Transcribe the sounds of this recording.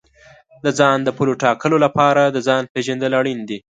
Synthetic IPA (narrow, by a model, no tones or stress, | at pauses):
d̪əzɑnd̪əpuloʈɑkəlolapɑɾad̪əzɑnpeʒand̪əlaɽind̪i